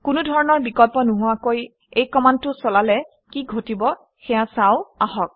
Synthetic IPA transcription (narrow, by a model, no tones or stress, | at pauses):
kʊnudʱɔɹɔnɔɹbikɔlpɔnʊɦʊakoj | ejkɔmantʊsɔlalɛ | kiɡʱotibɔ | xɛjasaʊaɦɔk̚